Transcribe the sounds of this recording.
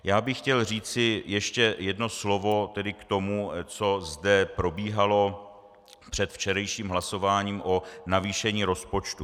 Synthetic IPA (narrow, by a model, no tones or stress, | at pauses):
jaːbɪxxcɛlr̝iːt͡sɪjɛʃcɛjɛdno̞slo̞vo̞t̪ɛdɪkt̪o̞mut͡so̞zdɛpɾo̞biːɦalo̞ | pr̥ɛt̪ft͡ʃɛɾɛjʃiːmɦlaso̞vaːɲiːmʔo̞naviːʃɛɲiːɾo̞spo̞t͡ʃt̪u